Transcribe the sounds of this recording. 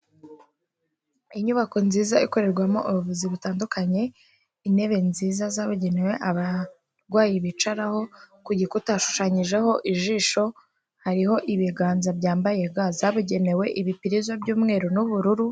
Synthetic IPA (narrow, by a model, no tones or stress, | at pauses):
iɲuβako̞nziːzaiko̞ɾe̞ɾɡwamo̰ʔuɾuβuziβutaːndukaɲe̞ | ine̞βe̞nziːzazaβuɟe̞newe̞ʔaβa | ɾɡwaːjiβit͡ʃaɾaho̞kuɟikutaʃu̥ʃaɲiʒe̞ho̞ʔiʒiːʃo̞ | haɾiho̞ʔiβiɡaːnzabɟaːmbaje̞ɡazaβuɟe̞ne̞we̞ʔiβipiɾizobɟuːmŋe̞ːɾonuβuɾuɾu